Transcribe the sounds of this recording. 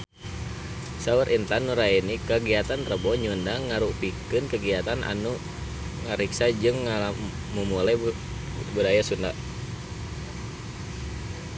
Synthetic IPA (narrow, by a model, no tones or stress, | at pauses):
saurʔint̪anːuɾainikəɡiat̪ant̪ɾəbɔɲundaŋaɾuʔpikɨnkəɡiat̪anʔa̰nu | ŋaɾiksad͡ʒɨŋːala | mumulɛ | budajasunda